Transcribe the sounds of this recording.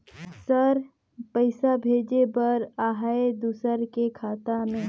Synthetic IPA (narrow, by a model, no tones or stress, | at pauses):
səɾ | pəɪsabʱeːd͡ʒebɐɾaːɦaed̪usəɾkekʰaːt̪amẽː